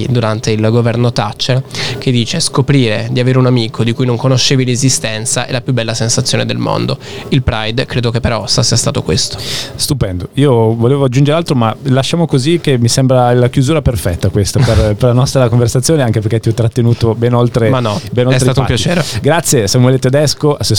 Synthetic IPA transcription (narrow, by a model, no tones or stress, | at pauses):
d̪uɾant̪eilɡovɛrnot̪at͡ʃːerk̟ed̪ːiːt͡ʃeskopɾiːɾed̪iaveːɾeunamiːkʰod̪ikujnoŋkonoʃːeːvilezist̪ɛnt̪saʔɛ̰lapjubːɛlːasensat̪sjoːned̪elmo̰nd̪o̰ | ilpɾajd̪kɾeːd̪okepːeɾɔsasiːast̪aːt̪okwest̪o̥st̪upɛnd̪oiːovoleːvoad͡ʒːund͡ʒeɾealt̪ɾomalaʃːaːmokozik̟ːemːisembɾalakjuzuːɾaperfɛt̪ːakwest̪aperperlanɔst̪ɾakoɱversat̪sːjoːneaŋkeperket̪iɔt̪ːɾat̪ːenuːt̪obɛnolt̪ɾemanːɔbɛnolɾeat̪oupjat͡ʃt͡ʃeːɾeɡɾat̪sːjesamuwɛːlet̪ed̪ɛskoʔase